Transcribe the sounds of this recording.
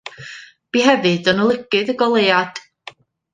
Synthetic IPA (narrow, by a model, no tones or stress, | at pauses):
b̥iːɦɛvɨdɔnəlˠəɡɨðəɡɔlˠejad̥